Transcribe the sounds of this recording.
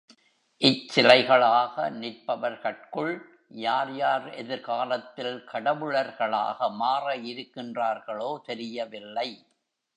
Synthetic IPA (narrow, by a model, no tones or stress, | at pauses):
ʔɪt͡ʃːsɪlɐɪɣɐɭaːɣɐnɪɾpɐʋɐɾkɐʈ̚kɯɭ | jaːɾjaːɾɛðɪɾɣaːlɐt̪ːɪlkʰɐɽɐʋɯɭɐɾɣɐɭa̰ːɣɐmaːrɐɪɾɯkːɪndraːɾɣɐɭoːt̪ɛɾɪjɐʋɪlːɐɪ